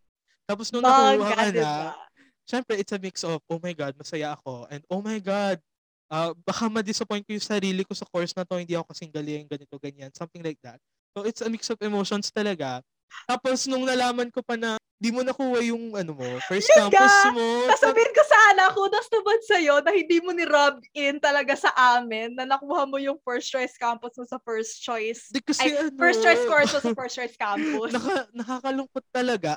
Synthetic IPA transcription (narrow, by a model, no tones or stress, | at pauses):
t̪aːp̬osnʊŋɐkːhɐkɐnɐ | ʃɛmpɾɛʔɪt̪sɐmiksɔvʔowmɐjɡad̪̚mɐsɐjaʔɐko̞ʔɛ̃nd̪̚ʔowmɐjɡad̪̚ | ʔɐbɐkamɐd̪ɪsɐpojn̚kojʊŋsɐɾiːlɪko̞sɐko̞ɹsnɐt̪ohɪnd̪iːɐko̞kɐsɪŋɡɐlɛʊŋɡɐnɪt̪o̞ɡɐɲansɐmt̪ɪŋlajk̚d̪ɐt̪̚ | sowɪt̪sɐmiksɔfɛmowʃonst̪ɐlɐɡa | t̪aːpo̞snʊŋnɐlaːmɐnko̞pɐnɐɪnd̪iːmonɐkuːwɐjʊŋʔɐnomofɛɹsɪamkaosmosɐsɐbiːhɪnkosɐʔanɐkod̪ɐst̪ʊbɐd̪sɐjo̞nɐhɪnd̪iːmonɪɾab̚ɪnt̪ɐlɐɡasɐʔaːmɪnːɐnɐkuːhɐnmːojʊŋfɛɹst͡ʃojskamposmosɐfɛɹst͡ʃojsd̪ɛkːɐsɛɐnfɛɹst͡ʃːojskoɹosɐfɛɹstt͡ʃojskamponɐkanɐkakɐlʊŋpot̪ːɐlɐɡa